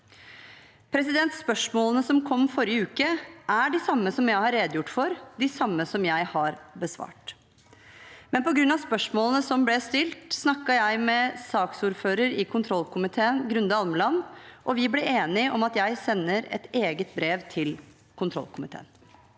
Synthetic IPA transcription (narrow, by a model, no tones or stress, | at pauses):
pʰɾɛs̬ɪd̪ɛnt̪spœʂmoːlənəsɔmkʰɔmːfɔɾɪəʉːkəʔæɖɪsɑmːəsɔmjæɪhɑɾːeːd̪jʊʈːfɔɾd̪ɪsɑmːəsɔmjæɪhɑɾbəsʋɑ̰ːʈ | mɛnpɔɡɾʉnːɑʋspœʂmoːlənəsɔmblɛst̪ɪlt̪snɑkːɑjæɪmɛsɑːksuːɾføːɾəɾɪkʰʊnt̪ʰɾɔlkʰʊmɪt̪ʰeːənɡɾʉnd̪əɑlməlɑnʔɔʋɪblɛeːnɪɔmɑt̪jæɪsɛnːəɾɛ̰t̪eːɡət̪̚bɾeːʋt̪ʰɪl | kʰʊnt̪ʰɾɔ̰lkʊmɪt̪ʰḛːn